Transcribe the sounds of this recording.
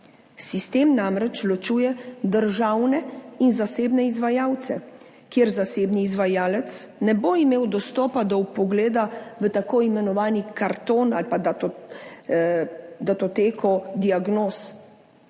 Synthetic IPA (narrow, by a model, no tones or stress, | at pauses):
sist̪eːmnamɾɛt͡ʃlɔt͡ʃuːjɛd̪əɾʒaːwnɛinzaseːbnɛizʋajaːwt̪sɛ | kjeːɾzaseːbniːzʋajaːlɛt̪s | nɛboimeːwd̪ɔst̪ɔːpad̪ɔwpɔɡleːd̪aʋət̪akoːimɛnɔʋaːnikaɾt̪oːnalpad̪a | d̪at̪ɔt̪eːkʰɔd̪iaɡnoːs